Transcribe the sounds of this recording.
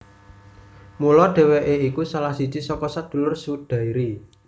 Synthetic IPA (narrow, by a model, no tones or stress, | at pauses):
mulɔɖ̪̥ɛ̤wɛʔeikusalahsid̥ʒ̥i̤sɔkɔsad̪̥ṳlʊrsud̪̥a̤iɾi